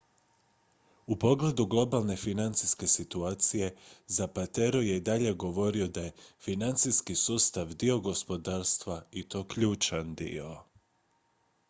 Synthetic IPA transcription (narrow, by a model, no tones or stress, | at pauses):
upo̞ɡle̞d̪uɡlˠo̞balˠne̞finant̪siske̞sit̪uaːt̪sije̞zapat̪e̞ɾoje̞id̪aʎe̞ɡo̞ʋo̞ɾio̞d̪aje̞finant̪siskisuːst̪aʋd̪io̞ɡo̞spo̞d̪aːɾst̪ʋait̪o̞ːkʎuːt͡ʃand̪ḭo̞